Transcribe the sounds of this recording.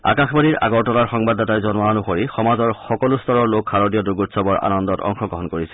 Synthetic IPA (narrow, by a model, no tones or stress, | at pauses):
a̰kaxbaniɹa̰ɡɔɹtɔlaɹxɔŋbadːatajzɔnaɔnʊxoɹixɔmazɔɹxɔkɔlustɔɹɔɹlokxaɹɔdijɔduɡutsɔbɔɹa̰nɔndɔtɔ̰ŋxɔɡɹɔɦɔnkoɹisɛ